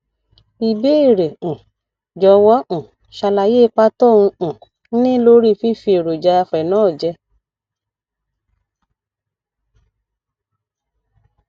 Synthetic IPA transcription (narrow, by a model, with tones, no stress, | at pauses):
i˧˨be˦e˦˨ɾe˨ũ˨ | d͡ʒɔ˧˦wɔ˦ʔũ˨ | ʃa˧la˨je˦˧˦k͡pa˦tɔ˦˨ũ˧ũ˨˦ | nĩ˦lo˦ɾi˦˨fi˦fi˧˦e˨ɾo˨d͡ʒa˧˦a˧fɛ˨nɔ̃ː˨˦˨d͡ʒɛ˧˦